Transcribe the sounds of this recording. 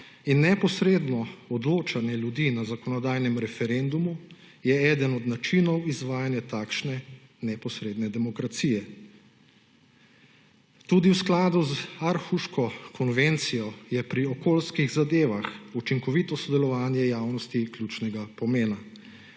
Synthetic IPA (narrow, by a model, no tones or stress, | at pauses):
inːɛpɔsɾeːd̪nɔɔd̪loːt͡ʃanjɛljud̪inazakɔnɔd̪aːjnɛmɾɛfɛɾɛnd̪umu | jɛɛːd̪ənɔd̪nat͡ʃinɔwizʋaːjanjat̪aːkʃnɛ | nɛpɔsɾeːd̪nɛd̪ɛmɔkɾat̪sijɛ | t̪ud̪iwsklaːd̪uzaɾxuʃkɔkʰɔnʋent̪sijɔjɛpɾiɔkoːlskiɣzad̪eːʋaxut͡ʃiŋkɔʋit̪ɔsɔd̪ɛlɔʋaːnjɛjaːwnɔst̪ikljuːt͡ʃnɛɡapɔmeːna